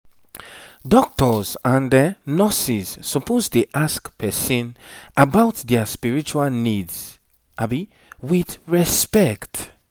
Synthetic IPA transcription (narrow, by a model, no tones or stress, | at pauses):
dɔk̚tɔzãndənɔsiz̥ːɔpʰoztuʔaskpʰɛsĩnʔabaʊtdɛspiɹit͡ʃualnidz̥ | ʔabi | wiθɹɛspɛkt